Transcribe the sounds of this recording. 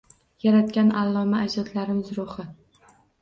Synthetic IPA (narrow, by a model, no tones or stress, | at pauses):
jaɾat̪kʲanalˠːɒmaːd͡ʒɒt̪laɾɪmɪzɾʊχɪ